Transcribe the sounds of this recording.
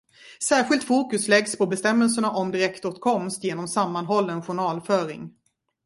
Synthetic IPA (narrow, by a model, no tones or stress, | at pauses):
sæːɾɧɪlt̪fuːkɵslɛɡspʰɔbɛst̪ɛmːɛls̬əɳaʔɔmd̪ɪɾɛkt̪ot̪kʰɔmst̪jeːnɔmsamːanɦɔlːɛnɧʊɳɑːlfœːɾɪ̰ŋ